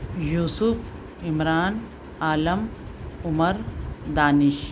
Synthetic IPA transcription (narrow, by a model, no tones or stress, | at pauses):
juːsufʰ | imɾaːn | aːlɐmʊmɐɾd̪aːniʃ